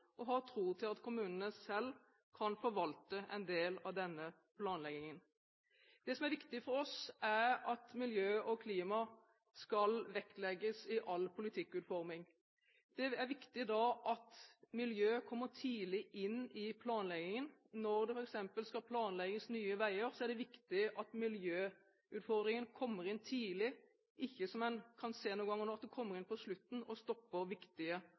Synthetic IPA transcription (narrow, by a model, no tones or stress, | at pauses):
ʔɔɦɑt̪ʰɾuːt̪ʰɪlɑt̪kʰʊmʉːnənəsɛl | kʰɑnfɔɾʋɑlt̪əʔɛ̰nd̪eːlɑʋd̪ɛnːə | pʰlɑːnlɛɡɪŋən | d̪̥ɛsɔmæɾʋɪkt̪ɪfɔɾɔsæɾɑt̪mɪljøːʔɔkʰliːmɑ | skɑlʋɛklɛɡːəsɪʔɑlpʰʊlɪt̪ʰɪkːʉːt̪fɔɾmɪŋ | d̪̥ɛæɾʋɪkt̪ɪd̪ɑʔɑt̪mɪljøːkʰɔmːət̪ʰiːlɪʔɪnːɪpʰlɑːnlɛɡɪŋənnɔɾd̪ɛfɔɾɛksɛmpəlskɑlpʰlɑːnlɛɡɪŋəsnyːəʋæɪəɾsɔæɖɛʋɪkt̪ɪʔɑt̪mɪljøː | ʉːt̪fɔʁd̪ɾɪŋənkʰɔmːəʁɪnːt̪ʰiːlɪ | ʔɪçːəsɔmɛnkʰɑnseːnuːŋɡɑŋːnɔɑt̪d̪ɛkʰɔmːəɾɪnpɔslʉt̪n̩ɔst̪ɔpːəɾʋɪkt̪ɪə